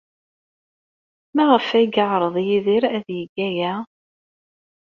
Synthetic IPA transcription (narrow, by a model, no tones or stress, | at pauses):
mæʁəfæɡəʕɾˤəðˤjiðiɾæðjəɡːæjæ